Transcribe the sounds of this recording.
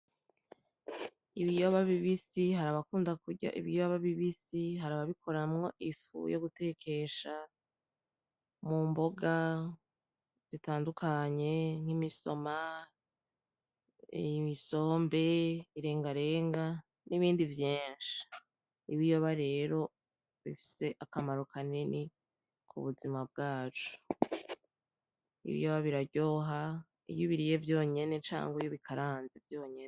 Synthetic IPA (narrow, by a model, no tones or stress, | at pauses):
iβijoβaβiβisiɦaɾaβakuːndakuɟa̰ʔḭβijoβaβiβisiɦaɾaβaβikʰoɾamŋo̞ʔifṵjoɡute̞kʰe̞ʃa | mumbo̞ɡa | z̥itaːndukʰaɲe̞ŋ̥imiso̞ma | miso̞ːmbe̞iɾe̞ːŋɡaɾe̞ːŋɡa | niβiːndivjeːnʃi̥ | iβijo̞βaɾe̞ːɾo̞ | βifi̥se̞ʔakamaɾokʰanini | kʰṵβuzimab̚ɡaːt͡ʃu̥ | ḭβḭjoβaβiɾaɟo̞ɦa | ḭβjuβiɾije̞vjo̞ːɲe̞ne̞t͡ʃa̰ːŋɡwijoβikʰaɾaːnzevjo̞ːɲene